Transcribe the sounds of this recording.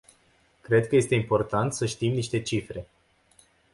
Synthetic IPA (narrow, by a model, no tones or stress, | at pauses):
kɾe̞d̪̚kəje̞st̪e̞impo̞rt̪ant̪səʃt̪imniʃt̪e̞t͡ʃifɾe̞